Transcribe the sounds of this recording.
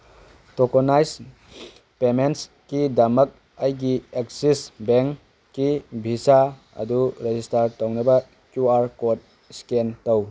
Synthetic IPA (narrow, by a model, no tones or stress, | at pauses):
tokonajs | pements | kidɐmɐk̚ | ajɡiek̚sisbeŋ | kːibʱisa | ɐ̰duɾezistaɾtownɐbɐ | kjuaɾkot̚ | skentow